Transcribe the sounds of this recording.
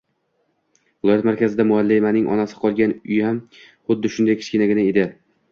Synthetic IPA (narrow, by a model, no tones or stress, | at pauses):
vɪlˠɒjat̪maɾkʲʰazɪd̪amʊalːajmanɪŋʔɒ̰nasɪ̥qʰɒlˠɡʲanʊjham | χʊd̪ːɪʃʊnd̪ajkʲʰɪ̥t͡ʃʲkʲɪnaɡʲɪnaed̪ɪ